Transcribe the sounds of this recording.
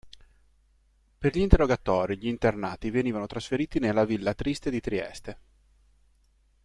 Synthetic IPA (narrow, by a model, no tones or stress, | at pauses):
perʎiːnt̪erːoɡat̪ɔːɾiʎiːnt̪ernaːt̪iveniːvanot̪ɾasfeɾiːt̪inelːavilːat̪ɾist̪ed̪it̪ɾiɛ̰st̪e